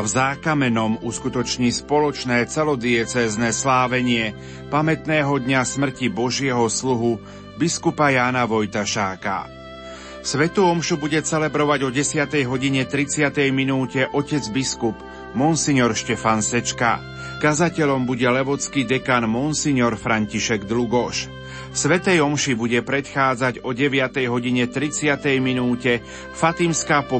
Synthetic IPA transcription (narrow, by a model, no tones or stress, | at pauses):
vzaːkamɛnɔmuskut̪ɔt͡ʃɲiːspɔlɔt͡ʃnɛːt͡sɛlɔd̪ɪɛt͡sɛːznɛːslaːʋɛɲɪɛ | pamɛt̪nɛːɦɔd̪ɲasmr̩cibɔʒɪɛɦɔsluɦu | biskupajaːnaʋɔjt̪aʃaːka̰ | sʋɛt̪uɔmʃubuɟɛt͡sɛlɛbɾɔʋaɟɔɟɛsɪat̪ɛjɦɔɟiɲɛt̪ɾit͡sɪat̪ɛjminuːcɛʔɔcɛd͡zbiskup | mɔnsiɲɔɾʃcɛfansɛt͡ʃka̰ | kazacɛʎɔmbuɟɛlɛʋɔt͡skid̪ɛkaːnmɔnsiɲɔɾfɾaɲciʃɛɡd̪luɡɔʃ | sʋɛt̪ɛjɔmʃibuɟɛpɾɛt̪xaːd͡zaɟɔɟɛʋɪat̪ɛjɦɔɟiɲɛt̪ɾit͡sɪat̪ɛjminuːcɛ | fat̪imskaːpɔ